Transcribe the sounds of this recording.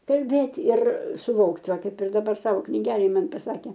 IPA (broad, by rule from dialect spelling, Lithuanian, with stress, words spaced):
kɐlʲˈbʲeːtʲɪ ɪr sʊˈʋoːkt ˈʋɐ ˈkɐɪp ɪr dɐˈbɐr ˈsɑːʋoː knʲɪˈɡʲæːlʲeːj ˈmɐn pɐˈsɑːkʲeː